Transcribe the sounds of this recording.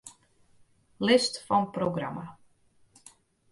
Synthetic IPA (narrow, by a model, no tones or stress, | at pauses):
lɪstfɔnproɡrama